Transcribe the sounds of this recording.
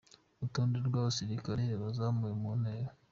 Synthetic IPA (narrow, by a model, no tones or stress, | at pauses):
utuːndeɾɡwaːβasiɾikaɾeβazamujemuneːɾa